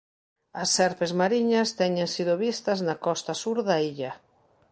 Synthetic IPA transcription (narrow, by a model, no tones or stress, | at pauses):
ɐsːɛɾpezmaɾiɲɐst̪ɛɲẽŋsiðʊβist̪ɐznakɔst̪ɐsuɾðaiʎɐ